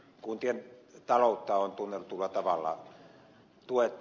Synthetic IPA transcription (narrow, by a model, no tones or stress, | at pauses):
kunt̪ient̪ɑloˑut̪ːɑont̪unːelːut̪ulːɑt̪ɑʋɑlːɑ̰ | t̪uet̪ːˑ